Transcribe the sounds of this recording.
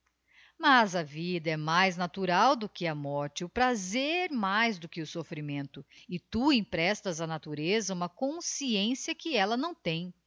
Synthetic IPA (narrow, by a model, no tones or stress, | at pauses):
mazɐvid̪ɐɛmajznat̪uɾawd̪ʊkɪɐmɔɾt͡ʃɪʊpɾazeɾmajzd̪ʊkɪʊsofɾimẽnt̪ʊɪt̪uẽj̃pɾɛst̪ɐzɐnat̪uɾezɐũmɐkõsiẽsijɐkɪɛlɐnɐ̃w̃t̪ẽj̃